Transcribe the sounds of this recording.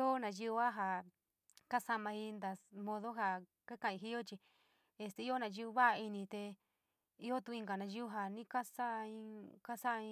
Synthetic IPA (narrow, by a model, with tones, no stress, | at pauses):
o˦nã˨˧ju˧u˧˦a˦ɦa˨ | ka˦sa˧mã˧i˧nd̪a˨mõ˧ðo˦ɦa˧˨ | ke˦kã˧˨ĩ˧ɦi˦o˦t͡ʃi˧ | e˧˨st̪e˧i˦o˦nã˧ʒu˦˧u˧βa˦ʔi˧nĩ˧t̪e˧ | i˦o˦t̪u˧ĩ˧ŋɡa˨nã˧ju˦u˦ɦa˨nĩ˦ka˦sa˦˧ĩ˧ka˦sa˦ʔĩ˧˦